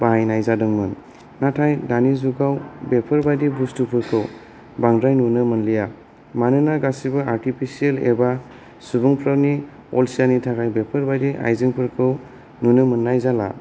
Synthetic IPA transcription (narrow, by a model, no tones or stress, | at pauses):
b̥ajnajzadɯŋmɯn | natʰajdanizuɡawbepʰɯɾbajdibustupʰɯɾkʰɯw | baŋdɾajnunɯmɯnlija | manɯnaɡasibɯaɾtipʰisielḛba | subɯŋpʰɾani | ɔlsianitʰakajbepʰɯɾbajdiʔa̰jziŋpʰɯɾkʰɯw | nunɯmɯnːajzala̰